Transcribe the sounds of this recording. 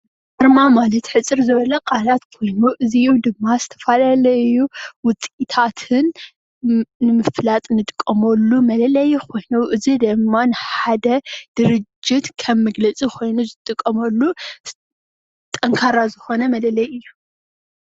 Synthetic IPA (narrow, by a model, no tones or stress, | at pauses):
dɐɾmamalɐt̪ħɨt͡sʼɨɾzɨβɐlɐkʼalat̪kʰo̞jnuʔɨziud̪ɨmːazɨt̪ʰɐfalalɐɨjːuwʊt͡sʼit̪ʰat̪ʰɨn | ɨmɨflat̪ʼnɨt̪ʼɨkʼːɐmɐlːumɐlɐlɐjkʰo̞jnuʔɨzid̪ɐmːanɨħad̪ɐd̪̥ɨɾɨd͡ʒːɪt̪kʰɐbmɐɡlɐt͡sʼikʰo̞jnuzɨt̪ʼɨkʼːɐmɐlːu | t̪ʼɐŋkʰaɾazɨxo̞nɐmɐlɐlɐjɨjːu